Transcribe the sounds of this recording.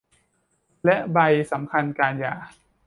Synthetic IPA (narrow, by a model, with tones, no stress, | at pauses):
lɛ˦˥ʔba˧jsa˩˦mkʰa˧nkaː˧njaː˨˩